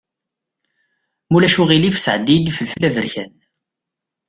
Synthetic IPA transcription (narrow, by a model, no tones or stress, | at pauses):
mulæʃuʁilifə̥sʕəd̪ːid̪ifəlflævəɾçæn